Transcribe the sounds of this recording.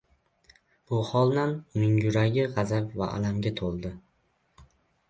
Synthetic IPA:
b̥ʊhɒlˠnanmɪŋjʊɾaɡʲɪʁɑzapva̰ʔa̰lamɡʲat̪ʰolˠd̪ɪ

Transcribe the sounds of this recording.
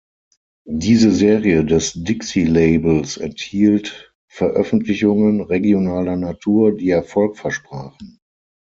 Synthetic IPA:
diːzəzeːʁiədɛsdɪksileɪbl̩sɛ̰nthiːlt | fɛɐʔœfn̩tʰlɪçʊŋənʁeɡjonaːlɐnatʰuːɐdiːɛɐfɔlkfɛɐʃpʁ̥aːχn̩

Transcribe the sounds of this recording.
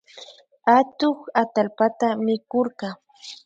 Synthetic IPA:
at̪ʊχat̪alpat̪amɪkoɾɢɑ

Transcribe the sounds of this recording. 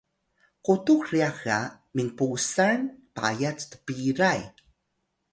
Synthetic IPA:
qutuxriaxa | miŋpusaɹnpa̰jat͡stə̥piɾaj

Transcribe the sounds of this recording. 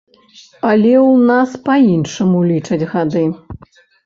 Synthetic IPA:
ɐlʲɛwnaspainʂɐmulʲit͡ʂɐd͡zʲɣad̪ɨ

